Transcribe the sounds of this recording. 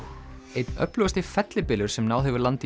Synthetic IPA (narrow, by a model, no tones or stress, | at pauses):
ejt̪nœ̰plʏɣast̪ɪfɛt̪lɪpɪːlʏɾ̥sɛmnaːwɛvʏɾlant̪ɪ